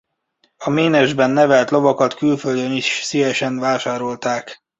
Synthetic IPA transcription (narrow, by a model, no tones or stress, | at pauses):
ɒmeːnɛʒbɛnːɛvɛlt̪lo̞vɒkɒt̪kylføld̪øniʃsivɛʃɛnvaːʃaːɾo̞lt̪aːk